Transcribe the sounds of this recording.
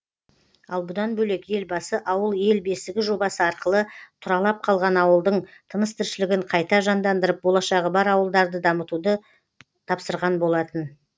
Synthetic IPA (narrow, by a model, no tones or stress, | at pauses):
ɑlˠbʊd̪ɑnbɵle̞kje̞lbɑsəʔɑwəlˠje̞lbe̞st̪ɪɡʲɪʒo̞bɑsəɑɾqəlˠət̪ʰʊɾɑlˠɑp̚qʰɑlˠʁɑnɑwəlˠd̪əɴt̪ʰənəst̪ʰɪɾʃɪlɪɡʲɪɴqʰɑjt̪ɑʒɑnd̪ɑnd̪əɾəp̚bo̞lˠɑʃɑʁəbɑɾɑwəlˠd̪ɑɾd̪əd̪ɑmət̪ud̪ə | t̪ʰɑpsəɾʁɑnbo̞lˠɑt̪ən